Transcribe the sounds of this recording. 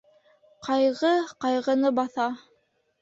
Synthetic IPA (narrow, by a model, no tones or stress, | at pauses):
qʰɑjʁɤqɑjʁɤ̆nɤbɑθɑ